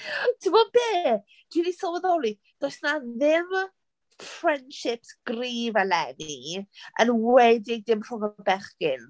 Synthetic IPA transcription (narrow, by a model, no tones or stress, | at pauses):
d̥ʰɪmɔb̥eː | d̥inisɔwɛðɔlˠi | d̥ojsnaðɪm | frɛnd̥ʃɪp̚sɡ̥riːvalɛniʔə̰nwɛdɪɡ̚dɪmr̥ʊŋəbɛχkɪn